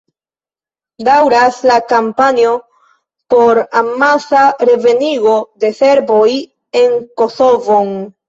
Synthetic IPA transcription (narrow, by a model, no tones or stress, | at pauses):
dawɾaslakampanio̞ | po̞ɾamasaɾe̞ve̞niɡo̞de̞se̞ɾbo̞j | e̞ŋko̞so̞von